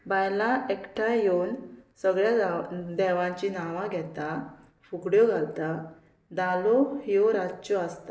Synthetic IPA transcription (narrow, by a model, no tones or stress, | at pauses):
bajlaekʈʰajeunsəɡɭjad̪ɛʋãt͡ɕinaʋãɡʱɛt̪a | fukɽjɔɡʱalt̪a | d̪alɔhioɾad͡ʑt͡ɕɔast̪a